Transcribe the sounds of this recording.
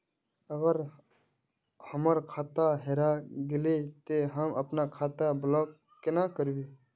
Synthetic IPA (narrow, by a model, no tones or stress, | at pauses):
əɡəɾ | həməɾkʰaːt̪aɦeɾaɡɪlet̪eɦəməpnakʰaːt̪ablɔːk | kenakəɾbi